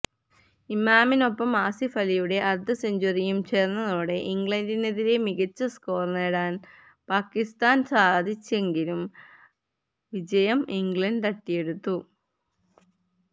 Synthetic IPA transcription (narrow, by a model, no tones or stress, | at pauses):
imaːmino̞pːɐmaːsifɐlijuɽe̞ʔɐrd̪ʱɐseɲd͡ʑɐrijumt͡ɕe̞ːrnːɐðo̞ːɽe̞ʔiŋɡɭɐndineðiɾe̞miɣɐt͡ɕːɐsko̞ːrneːɽaːn | paːkːist̪aːnsaːd̪ʱit͡ɕːe̞ŋɡilum | ʋid͡ʑɐjɐmiŋɡɭɐnɖɐʈːije̞ɽut̪ːu